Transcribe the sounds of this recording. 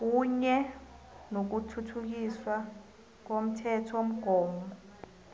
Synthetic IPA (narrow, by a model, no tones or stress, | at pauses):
k̬uɲɛ | nok̬utʰutʰuk̬iswa | k̬om̩tʰɛtʰom̩ɡ̥ʱɔːmbɔ